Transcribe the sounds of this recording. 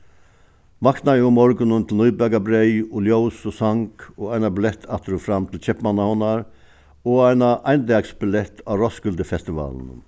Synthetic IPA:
makt̪naɛʊmɔɾɡənənt̪ʰl̩nyʏbæɡabɾeʏʊljoʊsɔsaŋkoːæɪnabɪlɛt̪ʰɑt̪ʰɾuːfɾɑmt̪ʰɪl̩c͡çɛpmɑnahɔnɑɾ | oːæɪnaʔæɪnd̪ɑɡsbɪlɛt̪ʰɑːɾɔsɡʉld̪əfɛst̪ɪʋɑ̰ːln

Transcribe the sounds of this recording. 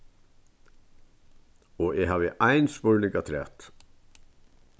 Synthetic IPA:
ɔɛɦaːʋɪʔajnspɔɹnɪŋkat̪ʰɾɛ̰ːt̪

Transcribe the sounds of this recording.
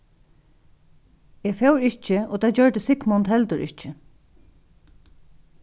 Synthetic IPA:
ɛːfɛwɾɪht͡ʃɪɔːt̪ʰad͡ʒœɹt̪ɪsɪkmɔnt̪hɛlt̪ʊɹʔɪ̰ht͡ʃɪ

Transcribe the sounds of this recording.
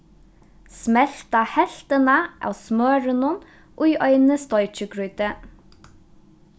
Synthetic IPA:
smɛlt̪ɑːhɛlt̪ənəʔɑ̰ːsmøːɹənʊn | ʔoːiːʔœʏnəst̪ɔʏt͡ʃəɡɹʉːt̪ə

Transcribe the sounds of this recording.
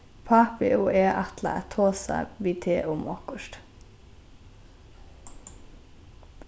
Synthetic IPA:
pʰɑːpɪʔuːʔeːʔɑt̪lɑ̰æt̪ʰoːsɑ̰ʋiːt̪ʰeːʔuːmokʊʃt̪

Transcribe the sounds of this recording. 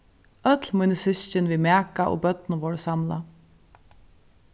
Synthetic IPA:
œt̪lmujnəsʏʃt͡ʃɪnviːmaːkaʔo̰ːbœt̪nʊʋɔɹəsamla̰

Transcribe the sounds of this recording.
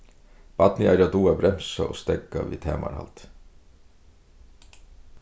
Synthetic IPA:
b̥ɑt̪niæɪɾɑd̪uːɑbɾɛmsɑ̰ʔo̰ːst̪ɛɡɑʋḭːt̪ʰeːmɑ̰ɾhɑ̰lt̪

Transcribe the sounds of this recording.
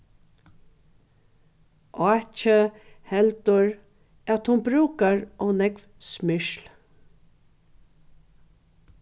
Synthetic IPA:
ɔːt͡ʃə | hɛlt̪ʊɹ | æt̪hʊnbɾuːkaɹɔwnɛkv | smɪʃl

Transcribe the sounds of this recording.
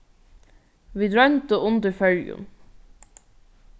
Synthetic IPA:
ʋiːd̪ɹœnt̪əʔʊnd̪əɹfœljʊ̰m

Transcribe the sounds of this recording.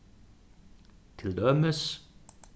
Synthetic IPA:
t̪ʰɪld̪œməs

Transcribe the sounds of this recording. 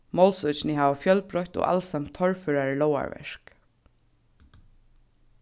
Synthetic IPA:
mɔlsʊt͡ʃnɪɦaːʋafjœlpɾɔht̪o̰ːʔa̰lsamt̪ʰːɔɹfʏɹaɹɪlɔwa̰ɹɛ̰ʃk

